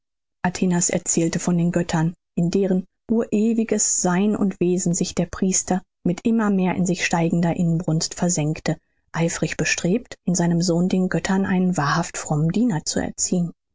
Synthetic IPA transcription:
ʔatʰeːnasɛ̰ɐt͡sɛːltəfɔndeːnɡœtʰɐn | ʔɪndeːʁənʔuːɐʔeːvɪɡəsz̥aɪnʊ̰ntv̥eːzn̩zɪçd̥eːɐpʁ̥iːstɐ | mɪtʔɪmɐmeːɐʔɪ̰nzɪçʃtaɪɡŋ̩dɐʔɪnənbʁʊnstfɛɐzɛŋktə | ʔaɪfʁ̥ɪçb̥əʃtʁ̥eːp̚tʔɪnzaɪnəmzoːndeːnɡœtʰɐnʔaɪnənvaːɐhaftfʁ̥ɔmən̩diːnɐt͡sṵɛ̰ɐt͡siːən

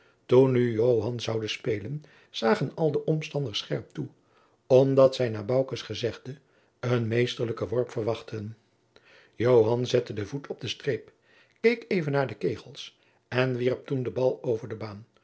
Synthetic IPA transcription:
tunːyjowɦɑnzɑwdəspejlən | z̥aːχənɑlˠdəʔɔmstɑndəɹsχɛɹp̚tu | ɔmdɑtsɛjnaːbɑwkəsχəzɛχdə | ənmejstəɹləkəʋɔɹpfərʋɑχtən | jowɦɑnzɛtədəvutʰɔb̚dəstreːp | kejkejvənːaːɹdəkejχəlˠs | ɛnʋirp̚tundəbɑlˠowvəɹdəbaːn

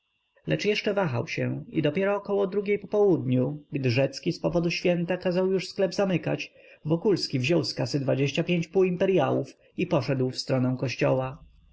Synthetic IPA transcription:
lɛt͡ʂjɛʂt͡ʂɛvaxa̰wɕɛ̃ḭd̪ɔpʲjɛɾɔːkɔwɔd̪ɾuɡʲejpɔpɔwud̪ɲuɡd̪ɘʐɛt̪skʲispɔvɔd̪uɕfʲjɛnt̪akazawjuʂsklɛbzamɘka̰t͡ɕ | vɔkulskʲivʑɔwskasɘd̪vad͡ʑeɕt͡ɕapʲjeɲt͡ɕpuːimpɛɾjawuf | ipɔʂɛd̪wfst̪ɾɔnɛw̃kɔɕt͡ɕɔ̰wa

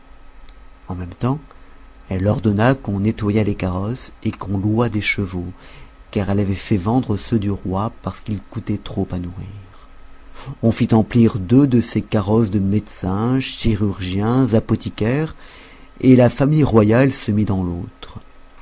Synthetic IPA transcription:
ɑ̃mɛmt̪ɑ̃ | ɛlɔʁd̪ɔnakɔ̃net̪wajalekaʁɔsekɔ̃luad̪eʃəvokaʁɛlavɛfɛvɑ̃d̪ʁəsød̪yʁwapaʁsə̥kilkut̪ɛt̪χopanuʁiːʁ | ɔ̃fit̪ɑ̃pliʁd̪ød̪əsekaʁɔsd̪əmed̪sɛ̃ʃiʁyʁʒjɛ̃zapɔt̪ikʲɛʁ | elafamijʁwajalsəmid̪ɑ̃lot̪χ

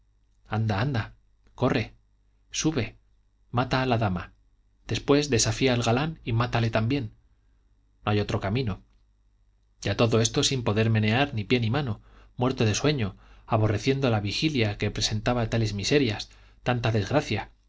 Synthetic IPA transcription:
and̪aand̪a | ko̞rʔe̞ | suβe̞ | mat̪aːlaðama | d̪̥e̞spwe̞zðe̞safiaːlɣalanimat̪ale̞t̪ambje̞n | no̞ajo̞t̪ɾo̞kamĩno̞ | ɟ͡ʝat̪o̞ðo̞e̞st̪o̞simpo̞ðe̞ɾme̞ne̞aɾnipje̞nimano̞mwe̞ɾt̪o̞ðe̞swe̞ɲo̞aβo̞re̞θje̞nd̪olaβixiljakepɾe̞se̞nt̪aβat̪ale̞zmise̞ɾjas | t̪ant̪aðe̞zɣɾaθja

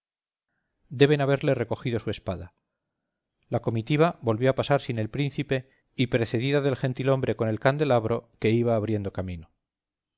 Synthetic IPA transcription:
d̪e̞βe̞naβ̞e̞ɾle̞re̞ko̞xiðo̞sue̞spaða | lako̞mit̪iβ̞abo̞lβjo̞apasaɾsine̞lpɾinθipe̞ | ipɾe̞θe̞ðiðaðe̞lxe̞nt̪ilo̞mbɾe̞ko̞ne̞lkand̪e̞laβɾo̞ke̞iβaːβɾje̞nd̪o̞kamĩno

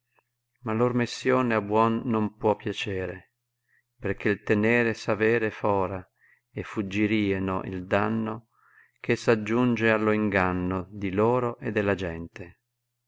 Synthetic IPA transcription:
malormisːjoːneabwɔnːompwɔpːjat͡ʃɛːɾe | perk̟elt̪enɛːɾesavɛːɾefɔːɾa | efːud͡ʒːiɾiːenoʔḭld̪anːo | kesad͡ʒːund͡ʒealːoiŋɡanːod̪iloːɾoʔed̪ːelːad͡ʒɛnt̪e

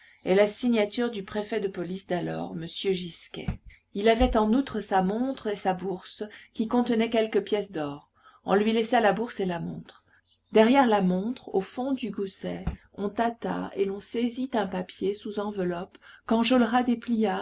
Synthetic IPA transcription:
elasiɲat̪yʁd̪ypχefɛd̪əpɔlisd̪alɔ̰ʁməsjøʒiskʲɛ̰ | ilavɛt̪ɑ̃nut̪χəsamɔ̃t̪χesabuʁskʲikɔ̃t̪ənɛkʲɛlkəpjɛsd̪ɔʁ | ɔ̰̃lɥilɛsalabuʁselamɔ̰̃t̪χ | d̪ɛʁjɛʁlamɔ̃t̪χofɔ̃d̪yɡusɛ | ɔ̃t̪at̪a̰elɔ̃sezit̪ɛ̃papjesuzɑ̃vəlɔpkɑ̃ʒɔlʁad̪eplija

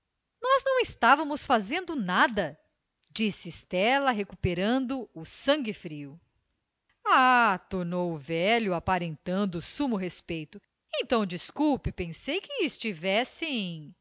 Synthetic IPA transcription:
nɔznɐ̃w̃ɪst̪avɐmʊsfazẽnd̪ʊnad̪ɐ | d͡ʒisst̪ɛlɐɦekupeɾɐ̃nd̪ʊʊsɐ̃ŋɡɪfɾiʊ | at̪oɾnowʊvɛʎʊapaɾẽnt̪ɐ̃nd̪ʊsũmʊɦespejt̪ʊ | ẽnt̪ɐ̃w̃d͡ʒiskuwpɪpẽsejkɪːst͡ʃivɛsẽj̃

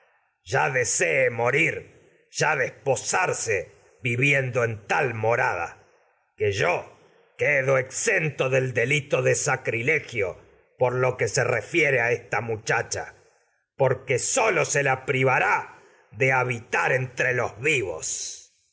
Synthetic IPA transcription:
ʒ̥aðeseːmoɾiɾ | ʒ̥aðesposaɾse | βiβjend̪oent̪almo̞ɾað̞a̰ | keʒo | keðoeksent̪oðe̞ld̪e̞lit̪o̞ðesakɾilexjo̰ | poɾlo̞keserefjeɾeaest̪amut͡ʃat͡ʃa̰ | po̞ɾkeso̞loselapɾiβaɾa | ðeaβit̪aɾent̪ɾelo̞zβiβo̰s

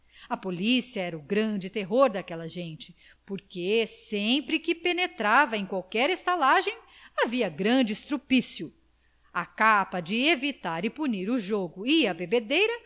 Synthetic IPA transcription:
ɐpolisiɐɛɾɐʊɡɾɐ̃d͡ʒɪt̪eɦoɾd̪akɛlɐʒẽnt͡ʃɪ̥ | poɾkesẽpɾɪkɪpenet̪ɾavɐẽj̃kwawkɛɾest̪alaʒẽj̃ | aviɐɡɾɐ̃d͡ʒɪist̪ɾupisjʊ | akapɐd͡ʒɪevit̪aɾɪpuniɾuʒoɡʊiɐbebed̪ejɾɐ

